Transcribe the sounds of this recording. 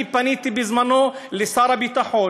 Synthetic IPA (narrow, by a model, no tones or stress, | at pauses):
ipːaniːt̪ibɪzmanoːlːisˤɑːɾˤɑbit̪aħoː